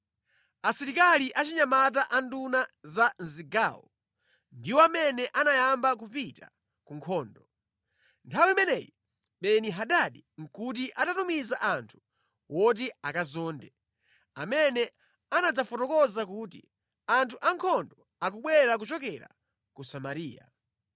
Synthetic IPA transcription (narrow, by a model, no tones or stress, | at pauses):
asiɾikaliʔat͡ʃiɲamat̬aʔandunazan̩ziɡa̰ːwɔ | ndiwɔamɛnɛʔanajambak̬upita | kuŋkʰɔːndɔ | ntʰawimɛnɛːji | ɓɛniɦaɗaɗiŋ̩kut̬iʔatatumizaʔantʰu̥ | wɔt̬iakazɔːndɛ | amɛnɛ | anad͡zafɔtɔkɔzak̬uːtḭ | antʰuʔaŋkʰɔndɔ | akuɓwɛɾak̬ut͡ʃɔkɛɾa̰ | kusamaɾiːja̰